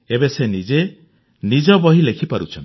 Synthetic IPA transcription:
ebesenid͡ʒe | nid͡ʒɔbɔɦilekʰipaɾṵt͡ʃʰɔnt̪

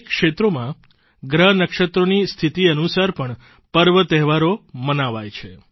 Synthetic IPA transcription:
kʃet̪ɾomã | ɡɾəɦnəkʃət̪ɾonist̪ʰit̪iənusaɾpəɳ | pəɾʋət̪ɛɦʋaɾomənaʋajt͡ʃʰe

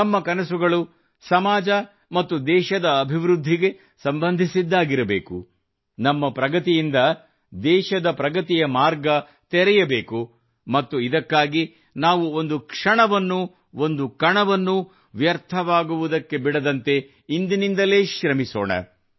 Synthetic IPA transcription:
nɐmːɐkɐnɐsuɡɐɭu | sɐmaːd͡ʒɐ | mɐt̪ːud̪ɛːʃɐd̪ɐːbʱiʋɾud̪ʱːiɡe̞ | sɐmbɐnd̪ʱisid̪ːaːɡiɾɐbḛːkṵ | nɐmːɐpɾɐɡɐt̪ijind̪ɐ | d̪ɛːʃɐd̪ɐpɾɐɡɐt̪ijɐmaːɾɡɐ | t̪ɛɾɛjɐbeːku | mɐt̪ːuid̪ɐkːaːɡi | naːʋuond̪ukʂɐɳɐʋɐnːu | o̞nd̪ukɐɳɐʋɐnːu | ʋjɐɾt̪ʰɐʋaːɡuʋud̪ɐkːe̞biɽɐd̪ɐnt̪e̞ | ind̪inind̪ɐleːʃɾɐmiso̰ːɳɐ̰

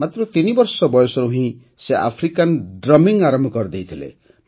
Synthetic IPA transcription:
mat̪ɾɔt̪inibɔɾsɔbɔjɔsɔɾuɦĩ | seʔa̰pʰɾikanɖɾɔmiŋaɾɔmbʱɔkɔɾd̪ejt̪ʰilḛ

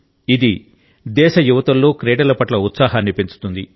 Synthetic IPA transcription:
id̪i | d̪ɛːʃɐjuʋɐt̪ɐlːo̞ːkɾeːɽɐlɐpɐʈlɐut̪saːɦɐnːipint͡ʃu̥t̪und̪i

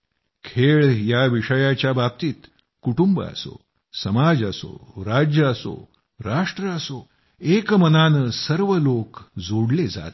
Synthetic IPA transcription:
kʰeɭjaʋiʂəjat͡ɕjabab̚t̪iːt̪ | kuʈumbə̰ə̰so̰ | səmad͡zəso̰ɾad͡ʑjəəso̰ | ɾaʂʈɾəəso | ekmənanəsəɾʋəlokd͡zoɽled͡za̰t̪

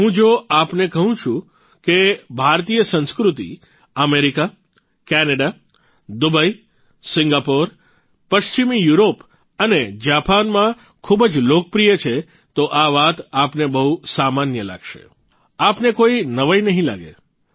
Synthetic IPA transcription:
ɦũd͡ʒoapnekəɦũt͡ʃʰũ | kebʱaɾt̪ijəsə̃nskɾut̪ḭ | əmeɾika | kɛnəɖa | d̪ubəi | sɪŋɡapoɾ | pəʃt͡ʃimijuɾop | əned͡ʒapanmã | kʰubəd͡ʒlokəpɾijət͡ʃʰe | t̪oʔaʋat̪apnebəɦusamanjəla̰ɡʃḛ | apnekoinəʋajnəɦĩla̰ɡḛ

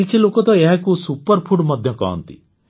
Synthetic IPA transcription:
it͡ʃʰilokɔt̪ɔeɦãkusupəɾpʰuʈmɔd̪ʱjɔkɔ̰ɦɔ̰nt̪ḭ

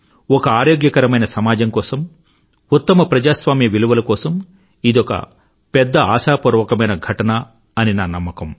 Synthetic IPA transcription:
ɔkɐaːɾoːɡjɐkɐɾɐmɐjnɐsɐmaːd͡ʒɐmkɔːsɐm | ut̪ːɐmɐpɾɐd͡ʒaːsʋaːmjɐʋiluʋɐlɐkɔːsɐm | id̪ɔkɐ̰ | pɛd̪ːɐaːʃaːpuɾʋɐkɐmɐjnɐɡʱɐʈɐnɐ | ɐninaːnɐmːɐkɐm

